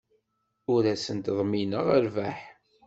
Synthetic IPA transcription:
uɾæsənt̪ðˤminəʁəɾvæħ

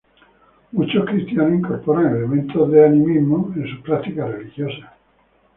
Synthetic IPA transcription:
mut͡ʃoskɾist̪janohiŋkoɾpoɾaŋelemẽnt̪ozðeanĩmizmoẽnsupɾat̪ikarelixjosa

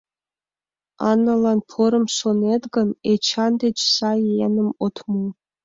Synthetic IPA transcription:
ɑnɑlˠɑnpʰoɾə̆msonet̪ɡənet͡ɕʰɑnd̪et͡ɕʰsɑenə̆mot̪ʰmu

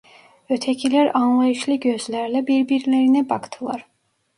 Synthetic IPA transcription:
øt̪ʰɛcʰilʲæɾɑnlˠɑjɯʃlˠɯɟø̞zlʲæɾlɛbiɾbiɾlʲeɾinɛbɑkt̪ʰɯlˠɑɾ

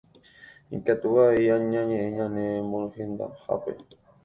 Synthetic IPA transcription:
ḭkat̪uβaeaɲãɲẽʔẽɲãnẽmõhẽnd̪a̰ha̰pḛ

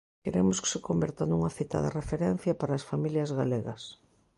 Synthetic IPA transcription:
keɾemoske̥sekombeɾt̪anuŋɐθit̪a̰ða̰refeɾɛn̟θjɐpaɾaːsfamiljɐzɣaleɣɐ̰s

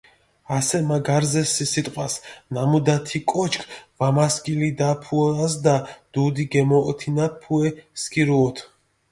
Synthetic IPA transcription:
asɛmaɡaɾzɛsisit̪ʼqʼwasnamud̪at̪ʰikʼɔt͡ʃʰkʰvamaskʼilid̪apʰuɔas̬d̪ad̪̥ud̪iɡɛmɔːt̪ʰinapʰuɛskʼiɾuɔt̪ʰ

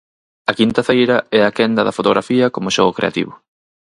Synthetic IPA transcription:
ɐkint̪ɐfejɾɐɛakɛnd̪ɐðɐfot̪oɣɾʔafiɐkomʊʃɔɣokɾḛa̰t̪ḭβʊ

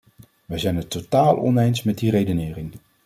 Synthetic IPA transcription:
ʋɛjzɛjnətːotaːlˠɔ̰nejnsmɛt̚diɾejdənɪːrɪŋ

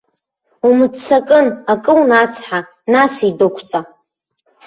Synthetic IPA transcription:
umɨt͡sʰːakʼɨnakʼɨlnat͡sʰħa | nasidokʷʰt͡sʼa

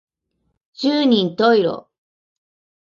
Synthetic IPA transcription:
d͡ʑɨːɲ̟ĩnt̪oiɾo̰

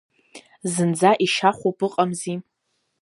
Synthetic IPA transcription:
zɨnd͡zaʔiʃaχʷupʼɨqʼamzi

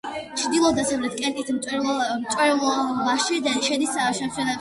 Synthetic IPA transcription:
t͡ʃʰd̪ilˠɔd̪asɛɾɛt̪̚kʼɛnt̪ʼit̪ʰmʼmt͡ʃ̪ʼwɛɾlamaʃid̪aʃɛd̪isaʃɛmʃʰɛlɛ

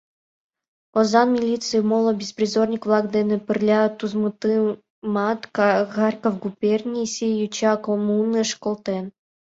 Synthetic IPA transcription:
ozɑnmʲilʲit̪t͡s̪ɨimolˠŏbʲesprʲizornʲikvlˠɑkd̪enʲɘ̆pɨrʲlʲɑt̪uzmɨt̪ɨ | mɑt̪kɣɑrʲkofɡupʲerʲnʲisʲejut͡ɕɑkomunːɨjʂkolˠt̪en

